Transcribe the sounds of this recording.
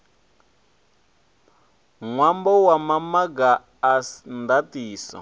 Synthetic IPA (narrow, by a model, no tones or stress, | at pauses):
ŋwambɔwamamaɡaː | ndatiːsɔ̰